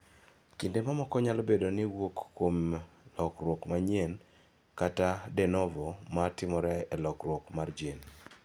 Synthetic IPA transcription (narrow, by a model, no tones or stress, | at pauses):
kindemamɔkɔɲalɔbedonɪwokːomlɔkrwokmaɲien | katadɛnɔvɔmatɪmɔɾɛɛlɔkrwɔkmard͡ʒen